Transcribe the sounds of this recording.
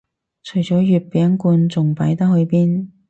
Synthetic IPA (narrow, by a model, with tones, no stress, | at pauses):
t͡ʃʰɵ˨˩ɥt͡sɔː˨˥jyː˨˧t̚pɛː˨˥ŋkuː˧nt͡sʊ˨ŋpɐ˨˥jt̪ɐ˥ɦɵ˨˧ɥpiː˥n